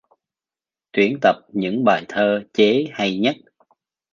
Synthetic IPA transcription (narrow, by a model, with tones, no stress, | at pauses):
t̪wi˧˩ənt̪ə˨˩p̚ɲɨ̰˧˥ŋɓaː˨˩jt̪ʰəː˧t͡ɕe˨˦ha˧jɲə˦˥t̚